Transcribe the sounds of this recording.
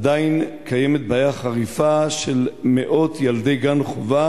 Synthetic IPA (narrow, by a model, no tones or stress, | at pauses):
d̪ainkʰajemet̪̚baːjaχaʁifaʃelmeʔo̞t̪jalde̞jɡanχova